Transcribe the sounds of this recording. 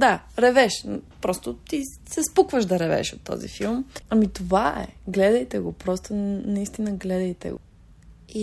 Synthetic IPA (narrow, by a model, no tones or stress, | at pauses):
d̪aɾɛvɛʃpɾɔst̪ot̪i | sɛspukvəʒd̪ɐɾɛvɛ̰ʃot̪ːɔ̰zḭfilˠmɐmit̪ovaɛ̰ɡlɛd̪ɐjt̪ɛɡopɾɔst̪onɐist̪inəɡlɛd̪ɐjt̪ɛ̰ɡo̰ | i